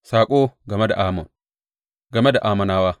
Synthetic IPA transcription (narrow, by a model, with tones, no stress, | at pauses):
saː˨kʼo˦ɡɐ˨me˦da˨ʔaː˨mo˨ | ɡɐ˨me˦da˨ʔa˨mɐ˨naː˦wa˦